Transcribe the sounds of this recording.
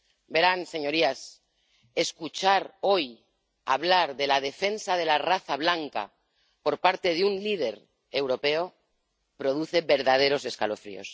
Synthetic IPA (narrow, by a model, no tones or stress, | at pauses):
be̞ɾanse̞ɲo̞ɾias | e̞skut͡ʃaɾo̞j | a̰β̞laɾðe̞lað̞e̞fe̞nsað̞e̞laraθaβ̞laŋka̰ | po̞ɾpaɾt̪e̞ðunlið̞e̞ɾ | e̞wɾo̞pe̞o̞ | pɾo̞ð̞uθe̞βe̞ɾðað̞e̞ɾo̞se̞skalo̞fɾḭo̞̰s